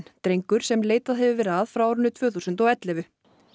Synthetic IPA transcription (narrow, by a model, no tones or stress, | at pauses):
nt̪ɾejŋkʏɾ̥sɛmleːjt̪aðɦɛvʏvɛːɾɪaðfɾawɔɾʏnːʏt̪ʰvœːθusʏnt̪ɔɛt̪lɛvʏ